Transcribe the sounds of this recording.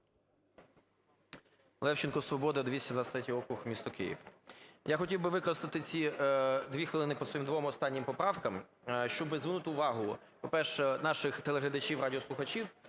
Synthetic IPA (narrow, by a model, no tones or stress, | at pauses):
lˠɛwt͡ʃɪnkɔsʋɔbɔd̪ɐd̪ʲʋʲisʲɐzɐst̪ɾɛtʲiɔkɾʊxmʲist̪ɔkɪ̰jḭwjaxɔtʲiwbɪʋɪkɔɾɐst̪ɪt̪ɪt͡sʲid̪ʋʲixʋɪlˠɪnɪpɔt̪ɔimd̪ʋɔmɔst̪ɑnʲːɪmpɔpɾɑwkɐm | ʃt͡ʃɔbɪzʋɪnut̪ɪʊʋɑɦʊ | pɔpɛrʃɛnɑʃɪxt̪elˠeɦlʲɐd̪ɐt͡ʃʲiwrɑdʲiɔslˠʊxɐt͡ʃiw